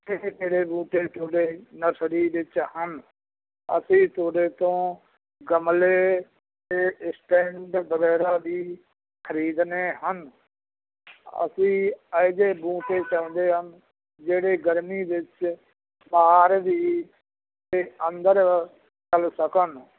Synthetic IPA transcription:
ekeːɽeːbũːʈeːt̪ʰoːɽeːnəsɾiːʋɪt͡ʃhən | ə̰sĩːt̪ʰoːɽeːt̪õː | ɡəmleː | t̪eːsʈɛːɳɖbəɡɛːɾaːd̪iː | kʰəɾiːd̪neːɦən | ə̰sĩːəɪd͡ʒeːbũːʈeːt͡ʃãːʊ̃ːnd̪eːɦən | d͡ʒeːɽeːɡəɾmiːʋɪt͡ʃ | baːɾʋiː | t̪eːənd̪əɾ | t͡ʃəlsəkən

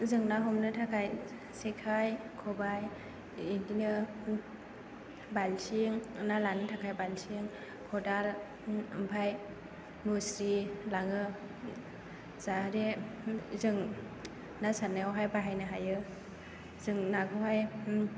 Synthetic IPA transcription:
zɯŋnaɦɔmnɯtʰakʰaj | sekʰajkʰɔbaj | indinɯ | balsiŋnalanɯtʰakʰajbalsiŋ | kʰɔdal | ɯmpʰaj | nusɾilaŋɯ | zaɾe | zɯŋ | nasanaɔɦajbaɦajnɯɦajɯ | zɯŋnaɡʰɯɦaj

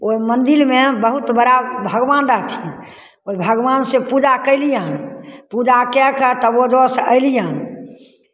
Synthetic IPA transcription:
oimənd̪iɾmebəɦut̪bəɾabʱəɡʋand̪at̪ʰi | oibʱəɡʋansẽpud͡ʒakəɪlijanpud͡ʒakɛkət̪əbod͡ʒosəjlijan

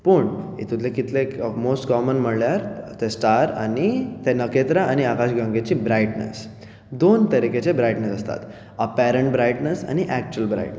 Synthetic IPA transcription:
pəɳḛt̪ut̪lekit̪lemosʈkɔmənm̤əɽljaɾt̪esʈaɾa̰nit̪enəket̪ɾaːñiakaɕɡãŋɡet͡ɕiːbɾajʈnə̰s | d̪ont̪əɾiket͡ɕebɾajʈnesəst̪a̰t̪ | əpæɾəɳʈbɾajʈnəsa̰ñiʔæk̚t͡ɕuəlbɾa̰jʈ

